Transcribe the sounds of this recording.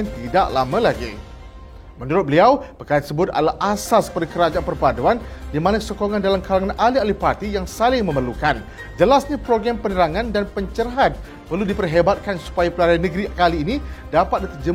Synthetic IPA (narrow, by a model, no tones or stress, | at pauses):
nt̪idaʔla̰mãlaɡḭ | mənuɾʊt̪̚bəliawpəkaɾant̪əsəbʊt̪̚a̰laʔasasə̥pərikəɾad͡ʒaapərpaduandimanasokoŋãndalamkalaŋanalialipat̪ijaŋsalɪŋmə̃mərlukan | d͡ʒəlasɲapɾoɡɾampənəɾaŋãndanpəɲt͡ʃərɦat̪̚ | pərludipərɦebat̪̚kansu̥pajapəlaɾaanə̃ɡɾikaliːnĩdapat̪̚dit̪ərd͡ʒə